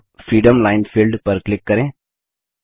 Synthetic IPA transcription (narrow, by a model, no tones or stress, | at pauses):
fɾiːɖɐmlɐɪnfɪlɖpɐɾklɪkːɐɾẽː